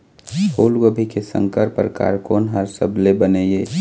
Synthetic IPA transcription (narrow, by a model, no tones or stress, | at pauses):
hoːlɡobʱikesə̰̃ŋkəɾpəɾka̰ːɾkoːnɦəɾsəblebəneje